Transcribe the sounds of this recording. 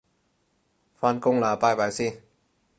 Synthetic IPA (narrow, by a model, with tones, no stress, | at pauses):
fa˧nko˧˨ŋlaː˨˦paː˧˩pa˨˩jsi˧˩˨